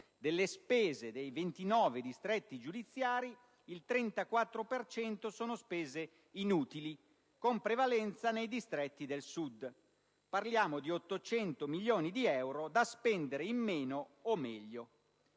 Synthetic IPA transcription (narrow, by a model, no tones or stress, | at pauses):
d̪elːespɛːzed̪ejvent̪inɔːved̪ist̪ɾɛt̪ːid͡ʒud̪it̪sːjaːɾi | ilt̪ɾɛnt̪akwat̪ːɾopert͡ʃɛnt̪osɔːnospeːze | inuːt̪ili | kompɾevalɛnt̪sanejd̪ist̪ɾɛt̪ːid̪elsud̪ | parljaːmod̪iot̪ːot͡ʃɛnt̪omilːoːnid̪iɛwɾod̪aspɛnd̪eɾeimːeːnoːmɛʎːo